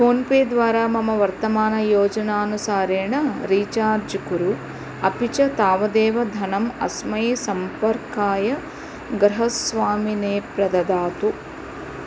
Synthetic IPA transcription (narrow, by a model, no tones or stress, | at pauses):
pʰoːnpeːd̪ʋaːɾaːmɐmɐʋɐɾt̪ɐmaːnɐjɔːd͡ʒɐnaːnusaːɾɛːɳɐɾiːt͡ʃaːɾd͡ʒukuɾu | ɐpit͡ʃɐt̪aːʋɐd̪ɛːʋɐd̪ʱɐnɐmɐ̰smɐjsɐmpɐɾkaːjɐ | ɡɾɐɦɐsʋaːmineːpɾɐd̪ɐd̪aːt̪u